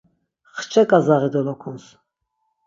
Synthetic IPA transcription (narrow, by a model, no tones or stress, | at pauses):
χt͡ʃʰɛkʼazaʁid̪ɔlɔkʰuns